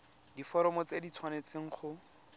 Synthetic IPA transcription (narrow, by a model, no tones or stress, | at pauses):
difɔɾɔmɔt͡sedit͡sʰwanet͡sʰeŋ̩χʊ